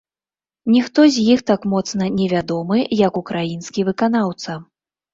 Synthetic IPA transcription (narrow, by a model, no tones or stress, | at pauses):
nʲixt̪ɔzʲjixt̪akmɔt̪snɐnʲɛvʲad̪ɔmɨjɐkukɾajinskʲivɨkanawt̪sɐ